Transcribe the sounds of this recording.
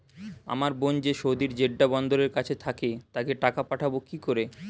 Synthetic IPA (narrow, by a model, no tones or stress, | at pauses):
a̰maɾbond͡ʑeʃod̪iɾd͡ʑeɖːabɔnd̪oɾeɾkat͡ɕʰet̪ʰaket̪akeʈakapaʈʰabokikoɾe